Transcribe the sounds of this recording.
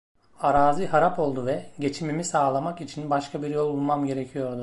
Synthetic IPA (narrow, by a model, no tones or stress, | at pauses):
aɾaːziɦaɾapo̞lˠd̪uvɛɟe̞t͡ʃʰimimisaːlˠamakit͡ʃʰinbaʃkʰabiɾjo̞lˠulˠmamɟe̞ɾecʰijo̞ɾd̪ʊ